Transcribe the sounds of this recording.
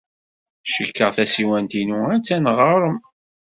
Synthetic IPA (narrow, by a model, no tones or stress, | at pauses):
ʃəkːəʁθæsiwænt̪inuæt͡sːænʁəɾˤəm